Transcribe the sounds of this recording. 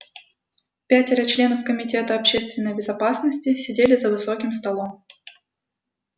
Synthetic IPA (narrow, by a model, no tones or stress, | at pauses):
pʲætʲɪɾət͡ɕlʲe̞nəfkəmʲɪtʲe̞t̪əɐpɕe̞st̪vʲɪnːəjbʲɪzɐpasnəsʲtʲɪsʲɪdʲelʲɪzəvɨso̞kʲɪmst̪ɐlˠo̞m